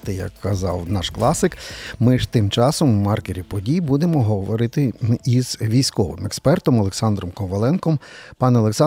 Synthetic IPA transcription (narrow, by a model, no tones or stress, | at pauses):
t̪ɪjɐ̰kːɐzɑ̰wnɑʃklˠɑsɪkmɪʒt̪ɪmt͡ʃɑsɔmwmɑrkeɾʲipɔdʲijbud̪emɔɦɔʋɔɾɪt̪ɪiz̥ʋʲijsʲkɔʋɪ̰mɛkspɛrt̪ɔmɔlˠeksɑnd̪ɾɔmkɔʋɐlˠɛnkɔmpɑnɛɔlˠeksɑ